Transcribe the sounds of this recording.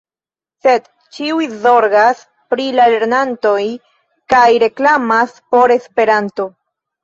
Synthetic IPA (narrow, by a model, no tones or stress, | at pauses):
se̞d̪ | t͡ʃiujzo̞ɾɡas | pɾilale̞ɾnanto̞j | kajɾe̞klamaspo̞ɾe̞spe̞ɾanto̞